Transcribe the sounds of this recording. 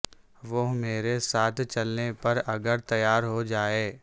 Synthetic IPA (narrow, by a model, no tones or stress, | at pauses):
ʋoɦmeːɾesaːt̪ʰt͡ʃɐlnepɐɾɐɡəɾt̪ɐjaːɾɦod͡ʒaːeː